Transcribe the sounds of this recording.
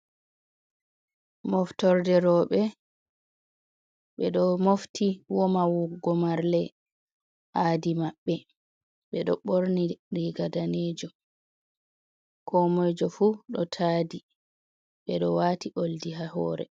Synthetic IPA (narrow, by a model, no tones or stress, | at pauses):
mɔftɔɾdɛɾɔɓɛ | ɓɛɗɔmoftʰiwɔmawuɡɔmaɾlɛ | ʔaːdimaɓːɛ | ɓɛɗɔɓoɾniɾiɡadaneːd͡ʒɔ | kʰɔmɛd͡ʒɔfuɗɔtʰaːdi | ɓɛɗɔwaːtiʔoldiɦahɔːɾɛ̰